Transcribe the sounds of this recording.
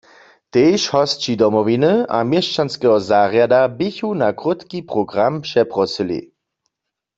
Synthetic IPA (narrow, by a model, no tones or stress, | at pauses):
t̪eːʃhɔst͡ʃidɔmɔʋinɨa̰mjeʃt͡ʃanskɛɦɔzaːʁjadabɪçunakʁʊt̪kipʁɔɡʁampʃɛpʁɔsilḭ